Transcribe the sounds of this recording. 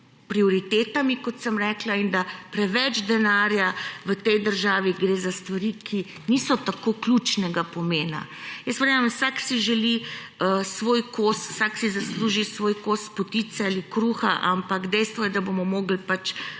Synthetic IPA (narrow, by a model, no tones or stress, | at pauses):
pɾioɾit̪eːt̪amikɔt̪səmɾɛːklaind̪apɾɛʋɛd͡ʒd̪ɛnaːɾjaʋət̪ɛjd̪əɾʒaːʋiɡɾeːzast̪ʋaɾikʰi | nisɔt̪akoːklʲut͡ʃnɛɡapɔmeːna̰jəspɾaɛmwsaksiʒɛli | əsʋoːjkost̪wsaksizasluːʒisʋoːjkost̪pɔt̪it̪sɛalikɾuːxaʔampakd̪ɛjst̪ʋɔjɛd̪abomɔmoːɡl̩pat͡ʃ